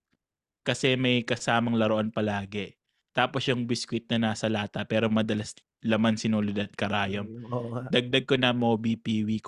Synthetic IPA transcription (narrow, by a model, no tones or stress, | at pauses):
kɐsɛmɐjkɐsaːmɐŋlɐɾoʔɐnpɐlaːɡɛ | t̪aːpo̞sjʊŋbɪskwɪt̪̚nɐnaːsɐlaːt̪ɐpɛːɾomɐd̪ɐlɐs | lɐmansɪnuːlɪd̪ɐt̪̚kɐɾaːjomd̪ɐɡ̚d̪ɐɡ̚konɐmobipiːwik